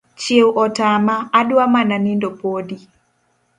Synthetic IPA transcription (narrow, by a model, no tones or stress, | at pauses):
t͡ʃewʔɔtamaːdwamananɪndopodi